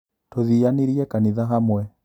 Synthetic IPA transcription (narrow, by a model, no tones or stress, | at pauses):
toðijaniɾiɛkaniðaɦamwɛ